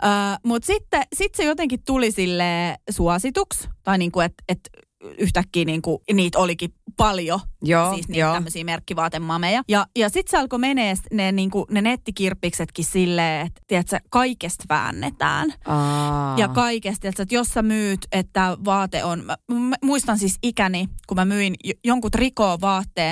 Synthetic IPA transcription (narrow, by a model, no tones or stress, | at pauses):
ʔəːmut̪sit̪ːesit̪sejot̪eŋkit̪t̪ulisilːeːsuɑsit̪ukst̪ɑiniːŋkuet̪et̪ | yht̪ækːiːniːŋkuniːt̪olikipɑljojoːsiːsniːt̪ːæmːøsiːmerkːiʋɑːt̪emːɑmejɑjɑjɑsit̪seɑlkomeneːsneːniːŋkunenet̪ːikirpːikset̪kisilːeːet̪t̪iɛt̪sækɑikest̪ʋæ̰ːnːḛt̪æ̰ːn | jɑkɑikest̪iɛt̪sæt̪jossæmyːt̪et̪t̪æːʋɑːt̪ḛʔonmæmmmuist̪ɑnsisikænikumæmyinjjoŋkut̪rikoːʋɑːt̪ːeː